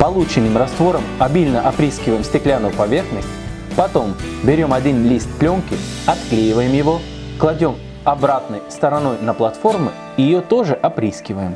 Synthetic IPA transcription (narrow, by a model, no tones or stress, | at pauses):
pɐlˠut͡ɕɪnːɨmrɐst̪vo̞ɾəmɐbʲilʲnəʔɐpɾʲiskʲɪvəjɪmsʲtʲɪklʲanʊpɐvʲe̞rxnʲɪk | pɐt̪o̞mbʲɪɾʲo̞mɐdʲinlʲist̪plʲoŋkʲɪɐt̪klʲejɪvəjɪmjɪvo̞ | klˠɐdʲo̞m | ɐbɾat̪nəjst̪əɾɐno̞jnəplˠɐt̪fo̞rmʊ | ijɪjot̪o̞ʐɨʔɐpɾʲiskʲɪvəjɪm